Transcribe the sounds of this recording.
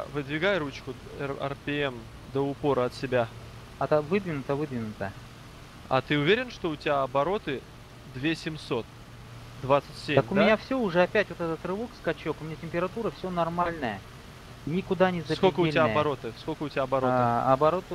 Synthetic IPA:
vɨd̪vʲɪɡajɾut͡ɕkʊɛ̰rpʲɪɛm | d̪əʊpo̞ɾəɐt̪sʲɪbʲa | ɐt̪vɨd̪vʲɪnʊt̪əvɨd̪vʲɪnʊt̪ə | ɐ̰t̪ɨʊvʲeɾʲɪnʂt̪o̞ʊtʲɪbʲaɐbɐɾo̞t̪ɨ | d̪vʲesʲɪmso̞t̪̚ | d̪vat̪sɨtʲsʲet̪əmkʊmɪnʲafsʲoʊʐɛɐpʲætʲvot̪ɛt̪ət̪rɨvukskɐt͡ɕo̞kʊmʲɪnʲatʲɪmʲpʲɪɾɐt̪uɾəfsʲonɐrmalʲnəjə | nʲɪkʊd̪anʲɪzɐskobkəʊelʲɪabɐɾo̞t̪ɨsko̞lʲkəʊtʲɪaɐbɐɾoɐbɐɾot̪

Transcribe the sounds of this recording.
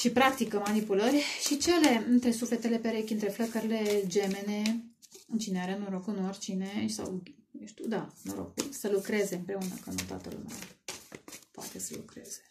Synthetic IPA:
ʃipɾakt̪ikəmanipulərʲʃit͡ʃe̞le̞ɨnt̪ɾe̞sufle̞t̪e̞le̞pe̞ɾe̞kʲɨnt̪ɾefləkəɾʲile̞d͡ʒe̞me̞ne̞ɨnt͡ʃineaɾenoɾokɨnorʲt͡ʃine̞sa̰wnuʃt̪uwd̪anoɾo̞̰kulsəlukɾe̞ze̞ɨmpɾe̞unəkənut̪a̰t̪ə̰l̰mḛw | poa̰t̪e̞səlukɾe̞z̥e̥

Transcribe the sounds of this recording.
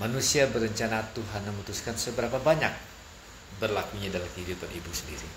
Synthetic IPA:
manusiabəɾəɲt͡ʃanat̪uɦanməmut̪uskansəbəɾapabaɲak̚ | bərlakuɲadalamkiidupanibusəndiɾi

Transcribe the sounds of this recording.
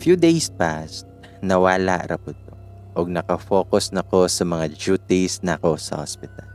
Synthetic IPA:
fjud̪ejspast̪̚ | nɐwaːla̰ʔɾɐpʊt̪̚o | ʔoɡ̚nɐkɐfo̞ːkosnɐko̞sɐmɐŋad͡ʒuːt̪isnɐɐko̞sɐ̰hospɪt̪al

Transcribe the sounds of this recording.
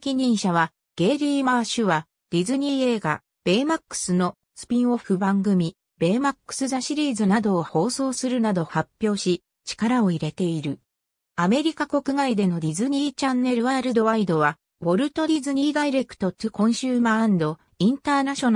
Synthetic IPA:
kʲiɲ̟ĩɰ̃ɕaβa | ɡ̥e̞ːɾʲiːmaɕɨβa | d̪̥ʲizɨɲ̟iːe̞ːɡa̰ | b̥e̞ːmakːɯ̟̥sɨno̞ | sɨ̥pʲĩɰ̃o̞ɸɯ̟bãŋɡɯ̟mʲi | be̞ːmakːɯ̟̥sɨzaɕiɾʲiːzɨnad̪o̞ːho̞ːso̞ːsɨɾɯ̟nad̪o̞hapʲːjo̞ːɕi | t͡ɕi̥kaɾao̞iɾe̞t̪e̞iɾɯ̟ | ame̞ɾʲikako̞kɯ̟ɡaid̪e̞no̞d̪ʲizɨɲ̟iːt͡ɕãnːe̞ɾɯ̟βaɾɯ̟d̪o̞βaid̪o̞βa | bo̞ɾɯ̟t̪o̞d̪ʲizɨɲ̟iːd̪aiɾe̞kɯ̟̥t̪o̞t̪ɯkõ̞ɰ̃ɕɨːmãːnd̪o̞ | ĩnt̪aːnaɕo̞n

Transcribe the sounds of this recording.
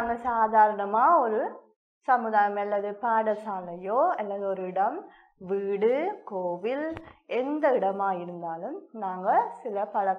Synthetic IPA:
ɐŋːɐɭsaːd̪ʱaːɾɐɳɐmaːoɾu | sɐmːuðaːjɐmelːɐðɨpaːɽɐsaːɳɐjoːelːɐðoɾuiɽɐm | ʋiːɽɨkoːʋile̞nd̪ɐiɽɐmaːjiɾunːaːlumnaːŋːɐɭsilɐpɐɭɐ

